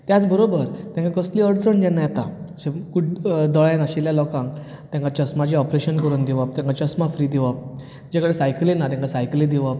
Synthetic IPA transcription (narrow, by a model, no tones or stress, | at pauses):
t̪jat͡sbəɾobəɾt̪jãŋkãkəsliəɽt͡səɳd͡ʑɛnajat̪a | sekuʈd̪ɔɭãnaɕiljalɔkãŋk | t̪jãŋkat͡ɕəsmat͡ɕiɔpɾeɕənkəɾund̪iʋəp̚t̪ɛ̃ŋkat͡ɕəsmafɾiːd̪iʋəp̚ | d͡ʑekəɽesajklinat̪jãŋkasajklid̪iʋap̚